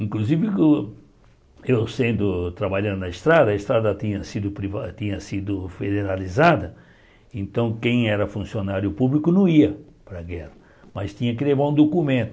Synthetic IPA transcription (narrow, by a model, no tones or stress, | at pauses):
ĩŋkluzivɪkʊ | ewsẽnd̪ʊt̪ɾabaʎɐ̃nd̪ʊnɐest̪ɾad̪ɐest̪ɾad̪ɐt̪ĩɲɐsid̪ʊpɾivat̪ĩɲɐsid̪ʊfed̪eɾalizad̪ɐ | ẽnt̪ɐ̃w̃kẽj̃ɛɾɐfũsionaɾjʊpublikʊnɐ̃w̃iɐpɾɐɡɛhɐ | mɐst̪ĩɲɐkɪlevaɾũd̪okumẽnt̪ʊ